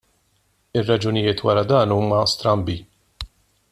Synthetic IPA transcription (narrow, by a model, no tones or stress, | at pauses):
ɪrːɐd͡ʒʊnɪjɪːt̪wɐɾɐd̪ɐːnuːmɐst̪ɾɐmbi